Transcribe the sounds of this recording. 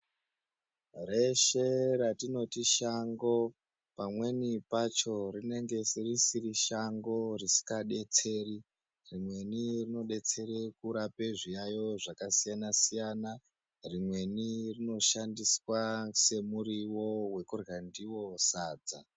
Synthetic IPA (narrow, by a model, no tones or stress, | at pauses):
re̞ʃe̞ɾatino̞tiʃaŋɡo̞ | pamwe̞nipat͡ʃo̞rine̞ŋɡe̞sirisiriʃaŋɡo̞risi̥kaɗe̞t͡se̞ːri | rimwe̞nirino̞ɗe̞t͡se̞ɾe̞kuɾape̞ʐijajo̞ʐakasijanasijana | rimwe̞nirino̞ʃandiswase̞muɾiwo̞we̞kurɣandiwo̞saːd͡za